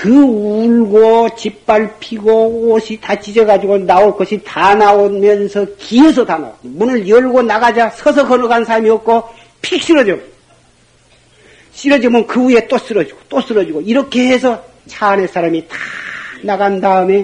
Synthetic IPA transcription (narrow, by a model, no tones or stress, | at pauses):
kɯuɭɡot͡ɕip͈̚ːaɭpʰiɡooɕʰitat͡ɕid͡ʑʌɡad͡ʑiɡonaoɭk͈ʌɕʰitanaomjʌnsʰʌkiɦes̬ʰʌtana̰omunɯɭjʌɭɡonaɡad͡ʑasʰʌs̬ʰʌkʌnʌɡansʰaɭmiʌp̚k͈o | pʰik̚ɕ͈iɾʌd͡ʑʌm | ɕ͈iɾʌd͡ʑʌmɯnkɯue̞t͈os͈ɯɾʌd͡ʑiɡ̥o̥t͈os͈ɯɾʌd͡ʑiɡoiɾʌkʰe̞ɦes̬ʰʌ | t͡ɕʰanes͈ʰaɾamitanaɡandaɯme